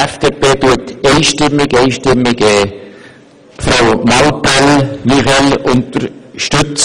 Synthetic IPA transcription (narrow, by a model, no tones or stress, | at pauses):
ɛfd̥eːpeːtuəteɪʃtɪmːɪɡɛɪʃtɪmːɪɡɛː | fɾaʊmɑlpɛlmiχɛlʊnt̪əɾʃtʏt͡s